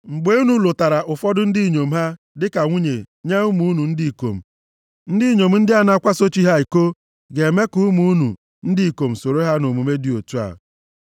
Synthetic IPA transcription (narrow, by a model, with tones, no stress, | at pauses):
ŋ͡m̩˨ɡ͡be˦u˦nu˨lo˨ta˨ɾa˨ʔʊ˨fɔ˦dʊ˦n̩˦di˦˨ɲo˨m̩˦ɦa˦ | dɪ˦ka˨ŋʷu˦ɲe˨ɲe˦u˦mu˦nu˨n̩˦di˦i˨ko̰˨m̩˨ | n̩˦dɪ˦ɲo˨m̩˨n̩˦dɪ˦a˦na˦kʷa˦so˦t͡ʃi˦ɦa˦i˨ko˦ | ɡe˨me˦ku˦mu˨˦nṵ˨ | n̩˦dɪ˦i˨ko˨m̩˨so˨ɾo˦ɦa˦no˨mu˨me˦di˨o˨tu˦a̰˨